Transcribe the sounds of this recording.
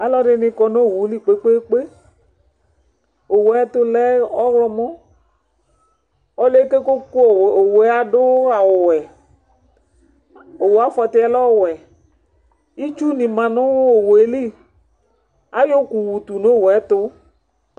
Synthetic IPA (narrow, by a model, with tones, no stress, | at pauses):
a˨lɔ˦ɖɪ˧nɪ̃˧kɔ˧no˦˨wu˨˦li˦˨k͡pe˦k͡pe˦k͡pe˦ | o˨wo˨ɛ˦t̪ʊ˦lɛ˦ɔ˦ɣlɔ˦mɔ̃˦ | ɔ˦le˦ke˦ko˦ko˦˨o˨we˨˦a˨dʊ˦a˨wʊ˨wɛ˨ | o˨wo˨a˦fɔ˧t̪ɪ˦ɛ˨˦lɔ˦˨wɛ˨ | i˦t͡ʃu˦nĩ˨mã˨nʊ̃˦wo˨we˨˦li˦ | a˨˦jo˦ku˨wu˨t̪u˨no˦˨wɛ˦t̪ʊ˦